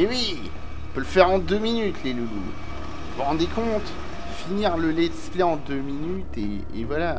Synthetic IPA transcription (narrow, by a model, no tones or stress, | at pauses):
mewĩ | pølfɛʁɑ̃d̪øminyt̪ʰlelulṵ | vuʁɑ̃d̪ekɔ̃t̪ | finiʁləlɛt̪spleɑ̃d̪øminyt̪ḛː | vwala